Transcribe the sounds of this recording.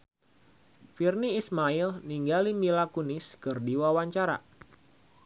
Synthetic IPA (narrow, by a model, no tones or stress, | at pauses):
firniːsmailniŋɡalimilakunɪskɨrdiwawaɲt͡ʃaɾa̰